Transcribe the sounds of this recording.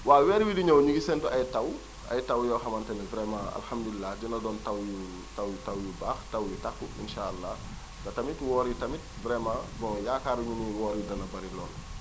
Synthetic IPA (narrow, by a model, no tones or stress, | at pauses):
waːwɛːɾwidiɲɐwɲuɡisɛntuɐjtɐw | ɐ̰jtɐwjɔːxɐmɐntɛnɛvɾɛmaɐ̰lħɐmdulilːaɟunɐdɔːntɐwju | tɐwjutɐwjubaːxtɐwjutakːuḭnʃaːɐlːaː | ɡɐtɐmitwɔːɾjitɐmit̚bɾɛmabɔŋjaːkaːɾiɲuniwɔːɾjidɐnɐbɐɾilɔːl